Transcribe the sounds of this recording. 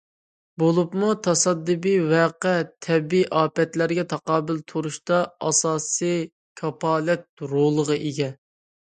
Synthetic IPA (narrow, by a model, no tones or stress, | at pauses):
bolˠupmut̪ʰɑsɑd̪ːɨbiwɛqɛt̪ʰɛbiʔɑːpɛt̪læɾɡʲɛt̪ʰɑqɑːbɪlt̪ʰoɾuʃt̪ɑɑsɑːsɨ | kʰɑpɑːlɛt̪̚ɾolˠəʁɑʔeɡʲɛ